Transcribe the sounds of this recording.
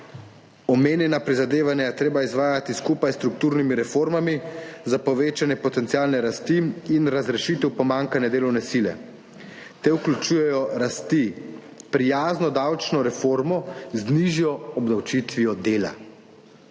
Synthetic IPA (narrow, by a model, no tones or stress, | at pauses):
ɔmeːnjɛnapɾizad̪eːʋanjajɛt̪ɾeːbaizʋaːjat̪iskuːpajst̪ɾuk̚t̪uːɾnimiɾɛfoːɾmamizapɔʋeːt͡ʃanjɛpɔt̪ɛnt̪siaːlnɛɾast̪iinɾazɾɛʃiːt̪ɛwpɔmaːŋkanjɛd̪eːlɔwnɛsilɛ̰ | t̪ɛuklʲut͡ʃuːjɛjɔɾast̪i | pɾijaːznɔd̪awt͡ʃnɔɾɛfoːɾmɔzniʒijɔɔbd̪awt͡ʃit̪ʋijɔd̪eːla̰